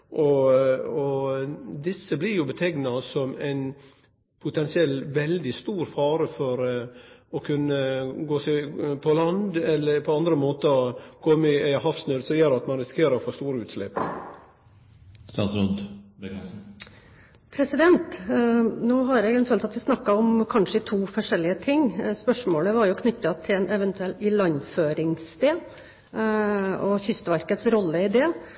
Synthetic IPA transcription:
ʔɔ | ɔ | d̪ɪsːəblɪɾjʊbət̪ʰɛɡnɑsɔmæɪn | pʰʊt̪ʰɛnsɪɛlːʋɛld̪ɪst̪uːɾfɑːɾəfɔɾ | ɔkʰʉnːəɡoːsɛpʰɔlɑnd̪ɛlːəɾpʰɔɑnd̪ɾəmoːt̪əkʰɔmːɪæɪhɑfsnøːd̪sɔjeːɾɑt̪mɑnɾɪskeːɾəɾfoːst̪uːɾəʉːt̪slɛpː | st̪ɑ̰ːt̪sɾʊnd̪ | pʰɾɛsɪd̪ɛnt̪ | noːɦɑɾjɛɡɛnfʰøːlt̪ɑt̪ʋɪsnɑkːɑɔmkʰɑnʂəɪt̪ʰuːfɔʂɛlːɪət̪ʰɪŋspœʂmoːləʋɑɾjʊkʰnʏt̪ːɑt̪ʰɪlɛnɛʋɛnt̪ʉɛlɪlɑɲføːɾɪŋst̪eː | ɔçʏst̪əʋæɾkət̪sɾɔlːəɪd̪eː

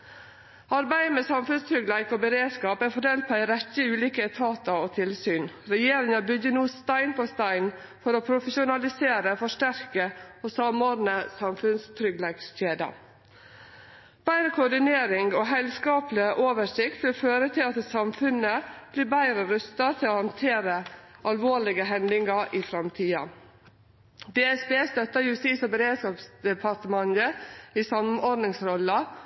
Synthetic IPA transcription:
ɑɾbæɪəmeːsɑmfʉnst̪ʰɾʏɡlæɪɡoːbəɾeːd̪skɑːpæɾfɔɖeːlt̪̚pʰɔːæɪɾɛt̪ːəʉːliːkət̪ʰɑːt̪ɑoːt̪ʰɪlsyːnɾɛjeːɾɪŋɑbʏɡːənuːst̪æɪnpʰoːst̪æɪn | fɔɾoːpʰɾʊfəʃʊnɑlɪseːɾəfɔʂʈæɾkəosɑmoːd̪nəsɑmfʉnst̪ʰɾʏɡlæɡsçeːd̪ɑ̰ | b̥æɪɾəkʰʊɖɪneːɾɪŋɡoːɦɛlskɑːplɪəʔoːʋəʂɪkt̪ʋɪføːɾət̪ʰɪlɑt̪sɑmfʉnəb̥liːbæɪɾəɾœst̪ɑt̪ʰɪloːhɑnt̪ʰeːɾəʔɑlʋoːɭɪɡəɦɛnd̪ɪŋɑɾʔiːfɾɑmt̪ʰiːɑ̰ | d̪eːɛsbeːst̪œt̪ːəjʉst̪iːsobəɾeːd̪skɑːpsd̪ɛpʰɑt̪əmɑŋəiːsɑmnɔɾd̪nɪŋsɾɔlːɑ

